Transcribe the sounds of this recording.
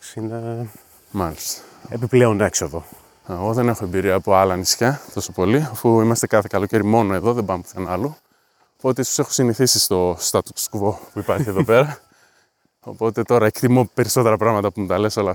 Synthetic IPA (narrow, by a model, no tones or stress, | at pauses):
sine | mɐlist̪ɐ̥epiple̞one̞ksoðo̞ | eɣo̞ðe̞ne̞xoe̞mbiɾiɐːpo̞ɐlɐnisçɐθo̞sopo̞liofuimɐst̪ekɐθekɐlo̞ce̞ɾimo̞noe̞ðo̞ðebɐmpo̥kɐnɐlu | opo̞t̪eisose̞xo̥siniθisist̪o̞st̪ɐt̪ut̪skvo̞puipɐɾçieðope̞ɾɐ | o̞̰po̞t̪e̞t̪o̞ɾɐekt̪imo̞pe̞ɾiso̞t̪e̞ɾɐpɾɐɣmɐt̪ɐpumut̪ɐle̞so̞lɐ